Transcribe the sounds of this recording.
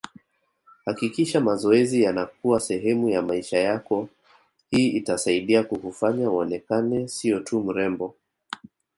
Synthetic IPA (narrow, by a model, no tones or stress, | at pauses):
hakikiʃamazɔɛzijanakuwasɛɦɛmujamaiʃajakɔ | hiːitasaiɗiakuhufaɲaɔnɛkanɛsiɔtʰum̩ɾɛmbɔ